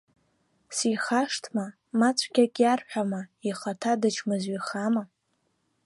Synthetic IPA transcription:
siχaʂtʰma | mat͡sʷʼʰɡʲakʲʼjarħʷᶣamaiχatʰadɨt͡ʃʰmɨzɥiχama

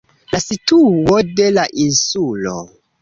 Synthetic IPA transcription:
lasituode̞laʔinsulo̰

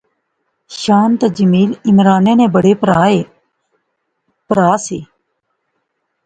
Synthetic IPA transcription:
ʃaːnt̪aːd͡ʒəmiːlɪmɾaːnẽːnẽːbəɽeːpɾaːe | pəɾaːseː

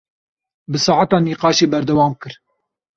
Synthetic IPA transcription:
bɨsɑːʕat̪ɑːniːqɑːʃeːbɛɾd̪ɛwɑːmkɨɾ

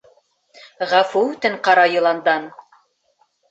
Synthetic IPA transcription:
ʁæfuʉt̪ɘɴqɑɾɑjɤ̆lˠɑnd̪ɑn

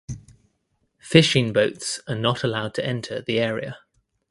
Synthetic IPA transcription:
fɪʃɪ̃ŋbəʊtsənətʰəlaʊd̚tʰəɛ̃ntʰəðiɛːɹḭə̰

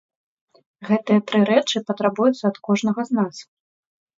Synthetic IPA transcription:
ɣɛt̪ɨjɐt̪ɾɨɾɛt͡ʂɨpɐt̪ɾabujut̪sːɐːt̪kɔʐnɐɣɐznas

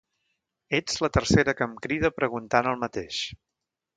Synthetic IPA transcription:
ed͡zlət̪ərseɾəkəmkɾiðəpɾəɣunt̪anəlˠmət̪eʃ

